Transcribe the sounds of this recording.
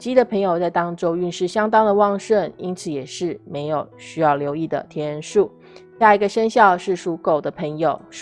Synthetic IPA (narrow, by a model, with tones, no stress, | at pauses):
t͡ɕi˥d̪ə˨pʰə˧˥ŋjo˨˧ʊt͡sa˥˩ɪt̪ɑ˥ŋʈ͡ʂo˥ʊy˥˧nʂɻ̩˥˩ɕjɑ˥ŋt̪ɑ˥ŋd̪ə˨wɑ˥˧ŋʂə˥˩ni˥nt͡sʰɹ̩˨˩jɛ˨˩ʂɻ̩˥˩me˧˥ɪjo˨˩ʊɕy˥jɑ˥˩ʊljo˧˥ʊi˥˩d̪ə̰˩t̪ʰjɛ˧˥ɻə˧˥nʂu˥˩ | ɕja˥˩i˧˥ɡə˧ʂə˥nɕjɑ˥˧ʊʂɻ̩˥˩ʂu˧˥ko˨˩ʊd̪ə˦pʰə˧˥ŋjo˨˩ʊ